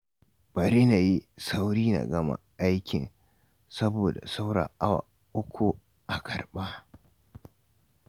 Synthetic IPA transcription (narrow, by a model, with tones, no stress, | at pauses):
b̥ɐ˨ɾi˦na˨ji˦sa˦wɽiː˦na̰˨ɡɐ˦ma̰˦˨ʔa˦jkʲɪ˨n | sɐ˦boː˨da̰˨sa˦wɽa̰ː˨ʔa˦wa̰˨ | ʔʊ˦kʷʰu˨ | ʔa˨kʰɐ˨ɽɓa˦